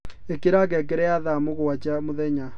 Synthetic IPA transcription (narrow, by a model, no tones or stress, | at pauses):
ekeɾaɣɛk̬ɛɾɛjaðamoɣoat͡ʃamoðɛɲa